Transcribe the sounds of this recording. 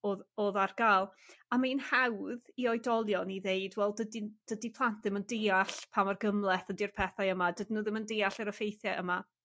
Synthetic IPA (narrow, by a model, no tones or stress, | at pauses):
oðoːðarɡ̥aːlˠamainhawðiɔjdɔlˠjɔniðejdwɛlˠdədid̥ədipʰlˠant̚ʰðɪməndejaɬpʰamarɡəmlˠɛθəndirpʰɛθajəmadədnuːðɪməndejaɬɛɾəfejθjɛʔəma